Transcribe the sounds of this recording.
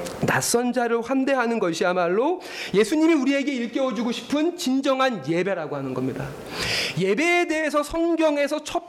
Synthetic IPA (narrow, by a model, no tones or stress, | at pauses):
nas͈ʌnd͡ʑaɾoɸwamde̞ɦanɯnɡʌɕʰiamaɭːo | je̞sʰuɲimiuɾie̞ɡe̞iɭk͈ewʌd͡ʑuɡoɕʰi̥pʰɯnt͡ɕind͡ʑʌŋɦanje̞be̞ɾaɡoɦanɯnɡʌmɲida | je̞be̞ːde̞ɦesʰʌsʰʌŋɡjʌŋe̞sʰʌt͡ɕʰʌ